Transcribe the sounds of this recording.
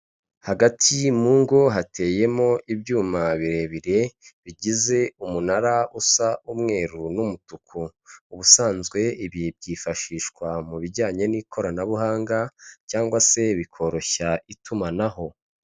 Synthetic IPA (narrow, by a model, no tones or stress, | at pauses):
haɡatʰimuːŋɡo̞ɦatʰe̞ːje̞mo̞ʔibjuːmaβiɾeβiɾe̞βiɟize̞umunaɾausaʔumŋe̞ːɾunumutukʰuːβusaːnzɡwe̞iβib̚ɟiːfaʃiːʃkwamuβiɟaːɲe̞nikʰo̞ɾanaβuɦaːŋɡacaːŋɡwase̞βikʰo̞ɾo̞çaʔitʰumanaho̞